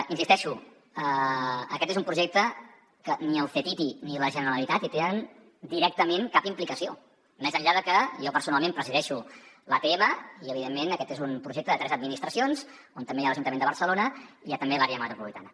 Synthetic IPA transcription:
insist̪ɛʃu | əəkɛt̪ezumpɾuʒɛk̚t̪ə | kəniəlfet̪it̪iniləʒənəɾəlit̪at̪it̪enən | d̪iɾɛk̚t̪əmeŋkapimplikəsio | mɛzəʎaðəkəjɔpəɾsunalˠmẽmpɾəziðɛʃuləp̪eɛməiəβiðemːenəkɛt̪ezumpɾuʒek̚t̪əðət̪ɾɛzəd̪̚minist̪ɾəsionz | ont̪əmbejaləʒunt̪əmend̪əβəɾsəlonəijat̪əmbelaɾiəmat̪ɾupuβlit̪a̰nə

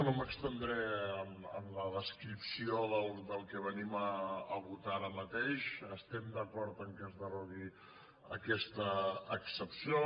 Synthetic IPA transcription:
noməkst̪ənd̪ɾɛəmə̰mləðəskɾipsioðəlˠd̪əlˠkəβəniməːβut̪aɾəmət̪eʃəst̪ɛmd̪əkɔɾt̪əŋkɛzðəroɣi | əkɛst̪əːksəpsio

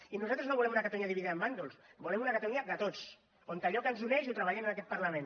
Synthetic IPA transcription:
inuzat̪ɾəznoβulɛmunakat̪aluɲaðiβiðiðəmband̪olˠsbulɛmunɐkat̪luɲad̪ət̪ot͡s | ont̪aʎɔkənzunɛʃut̪ɾəβaʎɛmənakɛt̪pəɾləmẽn

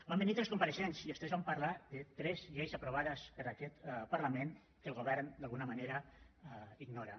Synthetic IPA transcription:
bambenit̪ɾeskompaɾeʃɛnsiest̪ezβampaɾlaðet̪ɾɛzʎejzapɾoβ̞aðəspəɾakɛt̪paɾlamen | kəlˠɣoβ̞ɛɾnd̪alˠɣunəmaneɾə | iɡnɔɾa

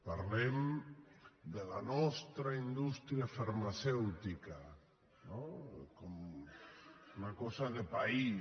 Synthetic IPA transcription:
paɾlem | d̪elanɔst̪ɾaind̪ust̪ɾjafaɾmasɛwt̪ika | nokom | unakɔsaðepai

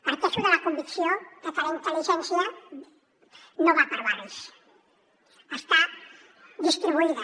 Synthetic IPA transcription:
paɾt̪ɛʃuðəlakumbiksjokət̪alaint̪əliʒɛnsjə | noβapəɾβaɾis | əst̪a | d̪ist̪ɾiβuiðə

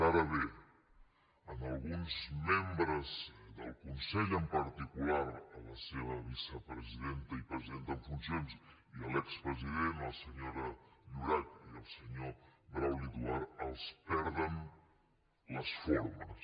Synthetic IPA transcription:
aɾəβe | ənəlˠɣunzmembɾəzðəlˠkunsɛʎəmpəɾt̪ikulaɾələseβ̞əβisəpɾəziðent̪əipɾəziðent̪əmfunsons | iəlɛkspɾəziðenəlˠsəɲoɾəʎuɾat̪̚iəlˠsəɲobɾawlit̪uaɾəlˠspɛɾðən | ləsfoɾmə̰s

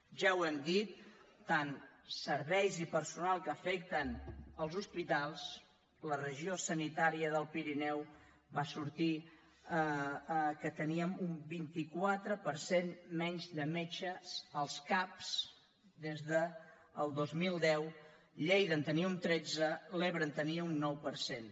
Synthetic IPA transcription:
ʒawɛmd̪it̪̚ːansəɾβɛjzipəɾsunalˠkəfɛk̚t̪ənəlˠzuspit̪alˠs | lərəʒiosənit̪aɾiəðəlˠpiɾinɛw | βasuɾt̪i | kət̪əniəmumbint̪ikwat̪ɾəpəɾsenmɛɲzðəmɛt͡ʃəsəlˠskaps | d̪ezðəː | lˠd̪ozmilˠd̪ɛw | ʎejðənt̪əniəunt̪ɾɛd͡zəleβɾənt̪əniəunːɔwpəɾsen

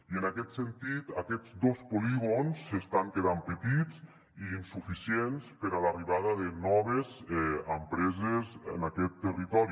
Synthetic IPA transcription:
iənakɛt̪sənt̪it̪akɛd͡zd̪ospoliɣonsːest̪aŋkeðampət̪it͡s | iːnsufisienspəɾalariβaðəðənɔβ̞ezɛəmpɾɛzezə̰nakɛt̪ːərit̪ɔɾi

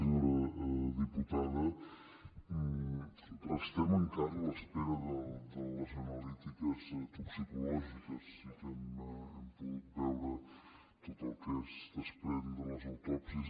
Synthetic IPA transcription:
ɾəðiput̪aðə | əst̪ɛməŋkazulˠəspɛɾəðəd̪ələzənəlit̪ikəzt̪upsikulɔʒikəsːit̪ɛmɛmpuɣut̪̚bɛwɾə | t̪ɔt̪əlˠkɛst̪əspɾɛnd̪ələzəwt̪ɔpsiz

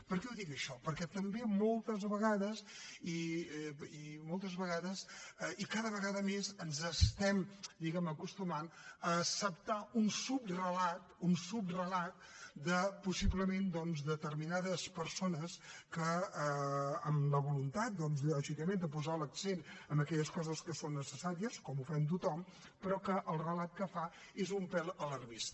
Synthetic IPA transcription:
pəɾkɛuðikəʃɔpəɾkɛt̪əmbemɔlˠt̪əzβəɣaðəzi | imɔlˠt̪əzβəɣaðəsikaðəβəɣaðəmezənzəst̪ɛmd̪iɣɛməkust̪umanəːsəp̚t̪aunsup̚rəlat̪̚unsup̚rəlat̪̚d̪əpusiβləmend̪ɔnzd̪ət̪əɾminaðəspəɾsonəskəəːmləβ̞ulunt̪at̪̚d̪ɔnzʎɔʒikəmend̪əp̬uzaləksenəmbəkɛʎəskɔzəskəsonːəsəsaɾiəskɔmufant̪̬ut̪ɔm | pɾɔkəʔəlˠrəlat̪̚kəfa | ezumpɛlˠələrβist̪

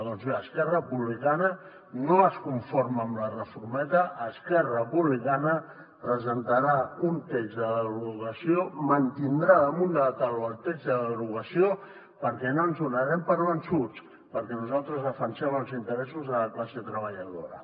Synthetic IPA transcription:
ðɔnzβeəskɛrəəpuβlikanə | noəskuɱfoɾməːmlərəfuɾmɛt̪əʔəskɛrəəpuβlikanə | pɾəzənt̪əɾaunt̪eɡzðəðəɣɾuɣəsiomənt̪ind̪ɾaðəmund̪əət̪aluəlˠt̪eɡzðəðəɣɾuɣəsio | pəɾkɛnoənzunəɾɛmpəɾβənsut͡s | pəɾkɛnuzalˠt̪ɾəzəfənsɛməlˠzint̪əɾɛsuzðələklasət̪ɾəβ̞əʎəðo̰ɾə̰

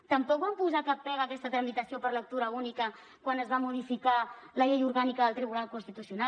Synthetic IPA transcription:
t̪əmpɔkβampuzakapːɛɣəkɛst̪ət̪ɾəmit̪əsiopəɾlək̚t̪uɾəunikə | kwanəzβamuð̞ifikaləʎejuɾɣanikəðəlˠt̪ɾiβ̞unalˠkunst̪it̪usiuna

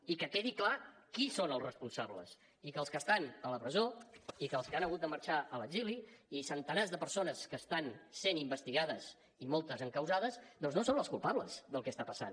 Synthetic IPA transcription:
ikəkeðiklakisonəlˠzrəspunsaβlə̰s | ikəlˠskəst̪anələpɾəzoikəlˠskəanəɣut̪̚d̪əməɾt͡ʃaələɡziliisənt̪ənazðəpəɾsonəskəst̪ansenimbəst̪iɣað̞əz | imɔlˠt̪əzəŋkəwzaðəzðɔnznosonləskulˠpaβləzðəlˠkɛst̪apəsa̰n

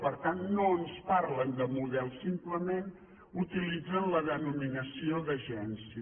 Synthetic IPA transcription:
pəɾt̪annoənspaɾlənd̪əmuðɛlˠsimpləmen | ut̪ilid͡zənləðənuminəsioðəʒɛnsi

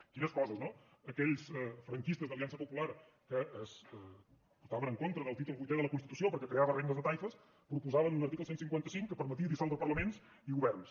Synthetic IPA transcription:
kinəskɔzəzno | əkɛʎsɛfɾəŋkist̪əzðəliansəpupulaɾ | kəːs | put̪aβənəŋkont̪ɾəðəlˠt̪it̪ulˠβujt̪ɛðələkunst̪it̪usiopəɾkɛkɾeaβəreŋnəzðət̪ajfəs | pɾupuzaβənunəɾt̪ikl̩ˠsensiŋkwant̪əsiŋkːəpəɾmət̪̬iəðisalˠd̪əpəɾləmens | iɣuβɛrns

